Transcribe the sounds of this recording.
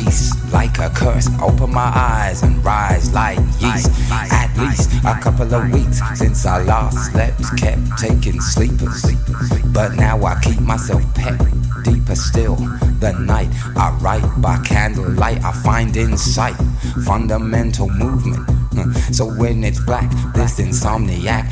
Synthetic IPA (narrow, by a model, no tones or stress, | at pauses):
is | laɪkʰɨkʰɜ˞sʔo̰ʊpə̃nmaɪʔaɪzɨ̃nɹaɪzlaɪkjisʔɨtˡlistʔəkʰʌpl̩ˠʌvwikssɪ̃nsəlæslɛp̚skʰɛp̚tʰeɪkɪ̃ŋslipə˞z̥b̥ʌtⁿnaʊaɪkʰip̚maɪsɛlˠfpʰɛk̚d̥ipə˞stɪlˠ | ðɨnaɪt̚ | ʔaɪɹaɪt̚b̥aɪkʰæ̃ndˡl̩ˠlaɪta̰ɪfãɪ̃ndɪ̃nsaɪt̚fʌ̃ndəmɛ̃ntʰl̩ˠmuvmɨ̰̃ntsoʊwɨ̃nɨtsb̥læk̚ðɪsɨ̃nsɑmniæk̚